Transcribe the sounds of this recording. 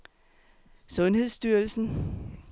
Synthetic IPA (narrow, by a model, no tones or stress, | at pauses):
sɔ̽nhe̝ð̰ˠsd̥yɐlsn̩